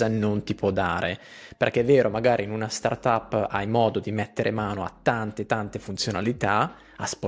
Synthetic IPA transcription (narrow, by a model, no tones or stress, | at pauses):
anont̪ipwɔd̪ːaːɾʔe | perkːeɛvːɛːɾomaɡaːɾʔinunast̪a̰rt̪apːa̰jmɔːd̪od̪imɛt̪ːeɾʔemaːnoa̰t̪ːant̪et̪ant̪efunt̪sjonalit̪a | asp